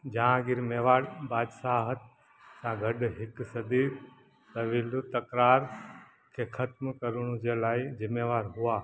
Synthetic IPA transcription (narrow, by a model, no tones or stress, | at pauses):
d͡ʒãɡɪɾmeʋaɽbaːd̪saɦət̪̚ | sãɡʱəɖɦɪksəd̪i | t̪əʋilut̪əkɾaɾ | kʰekʰət̪mkəɾɳũd͡ʒelajd͡ʒɪmːeʋaɾɦuʋa